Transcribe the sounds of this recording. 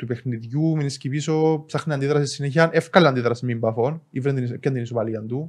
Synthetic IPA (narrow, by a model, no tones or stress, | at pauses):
t̪upexniðjuminiscipisopsɐxniɐnd̪iðɾɐsisːineçɐnefkɐleɐnd̪iðɾɐsimimbɐfo̞nivɾend̪inisipcːɐnd̪inisopɐliɐnd̪u